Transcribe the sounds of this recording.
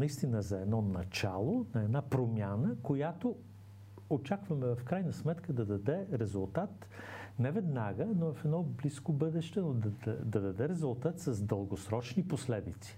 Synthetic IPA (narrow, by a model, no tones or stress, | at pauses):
nɐist̪inəzɐɛd̪nɔnɐt͡ʃalˠonɐɛd̪napɾomjanəkojat̪o | ot͡ʃakvɐmɛvɐfkɾajnəsmɛt̪kəd̪ɐd̪ɐd̪ɛɾɛzulˠt̪at̪ | nɛvɛd̪naɡənovɐfɛd̪nɔbliskobɤd̪ɛʃt̪ɛnod̪d̪ɐd̪ɐd̪ɛɾɛzulˠt̪at̪sɐzd̪əlˠɡosɾɔt͡ʃniposlɛd̪it̪si̥